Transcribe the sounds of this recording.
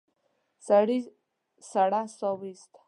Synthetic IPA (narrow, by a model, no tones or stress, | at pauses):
səɽi | səɽasɔʋist̪ʰ